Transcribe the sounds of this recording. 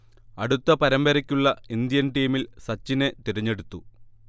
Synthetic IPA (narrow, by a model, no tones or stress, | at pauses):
ɐɽut̪ːɐpɐɾɐmbɐɾɐkʲːuɭːɐind̪jɐnʈiːmilsɐt͡ɕːinet̪iɾɐɲːe̞ɽut̪ːu